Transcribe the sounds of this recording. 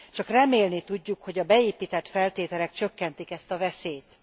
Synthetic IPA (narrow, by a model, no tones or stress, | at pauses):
t͡ʃɒkrɛmeːlnit̪uɟːukho̞ɟɒbɛeːpiːt̪ɛt̪fɛlt̪eːt̪ɛlɛkt͡ʃøkːɛnt̪ikɛst̪ɒvɛseːt̪